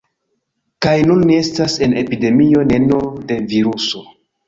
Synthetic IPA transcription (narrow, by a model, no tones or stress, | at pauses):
kajnunːie̞stase̞ne̞pide̞mio̞ne̞no̞de̞viɾuso̞